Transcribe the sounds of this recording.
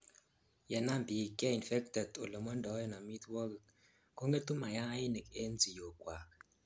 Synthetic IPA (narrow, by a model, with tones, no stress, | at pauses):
jɛ˨na˦mbi˨kja˦i˨nfɛ˦k̚tɛ˨do˨lo˨mɔ˦ndɔ˨˦jɔ˦na˨mi˦t̪wɔ˦k | ko˦ŋɡe˦tu˦ma˨ja˦ji˦ni˨ke˦nd͡zi˨jo˨kwa˨k